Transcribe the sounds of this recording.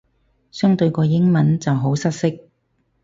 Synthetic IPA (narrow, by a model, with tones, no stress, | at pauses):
sœː˥ŋt̪ɵ˧ɥkɔː˧jɪ˥ŋmɐ˨˥nt͡sɐ˨wɦo˨˥wsɐ˥t̚sɪ˥k̚